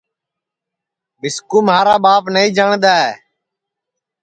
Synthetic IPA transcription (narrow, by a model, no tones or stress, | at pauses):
bɪskuːmɦaːɾaːbaːpnəĩːd͡ʒaːɳd̪aːɦḛː